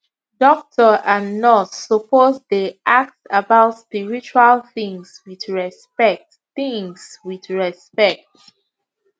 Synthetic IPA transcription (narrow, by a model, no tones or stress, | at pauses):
dɔk̚tʰɔʔanɔtsɔpozdiʔak̚tabaʊtspiɹit͡ʃualθĩŋswiðɹɛspɛk̚t | θĩŋswiðɹɛspɛk̚t